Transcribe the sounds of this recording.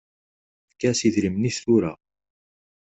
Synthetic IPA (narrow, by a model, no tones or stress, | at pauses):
θkːæsiðɾimnist̪uɾa̰